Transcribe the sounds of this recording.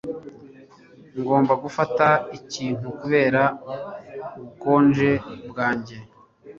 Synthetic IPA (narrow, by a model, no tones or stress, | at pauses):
ŋɡo̞ːmbaɡufataiciːn̥ukuβe̞ːɾa | uuko̞ːnd͡ʒe̞bɡaːɲɟe̞